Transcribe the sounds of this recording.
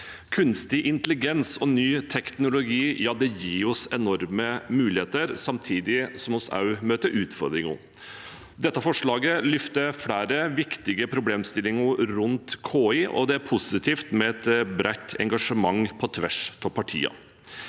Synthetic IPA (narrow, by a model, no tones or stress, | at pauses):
kʰʉnst̪ɪʔɪnt̪əlɪɡɛnsɔnyːt̪ʰɛknʊlʊɡiːjɑːd̪ɛjiːɔsɛnɔɾməmʉːlɪheːt̪əɾsɑmt̪ʰiːd̪ɪsɔmɔsɑ̰ʉmøːt̪əʔʉːt̪fɔ̰ɾd̪ɾɪŋʊ̰ | d̪ɛt̪ːəfɔʂɭɑːɡəlʏft̪əfɽæːɾəʋɪkt̪ɪɡəpʰɾʊbleːmst̪ɪlːɪŋəɾʉnt̪kʰoːɪʔɔ̰d̪ɛæɾpʰʊsɪt̪ʰiːft̪mɛɛt̪bɾʔæɪt̪ʰːɛ̰ŋɡɑʂəmɑŋpʰɔt̪ʰʋæ̰ʂt̪ʰɔpʰɑʈʰḭːɑ̰